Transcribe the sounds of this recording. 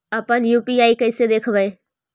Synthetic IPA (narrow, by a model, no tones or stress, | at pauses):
ɐpãnjuːpiaːikɐɪsed̪eːkʰəʋəe